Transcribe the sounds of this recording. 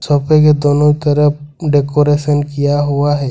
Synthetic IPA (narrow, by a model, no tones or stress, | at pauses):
soːpek̬ed̪oːnoit̪əɾəpɖeːkoːɾeːʃənkijaɦuaɦɛː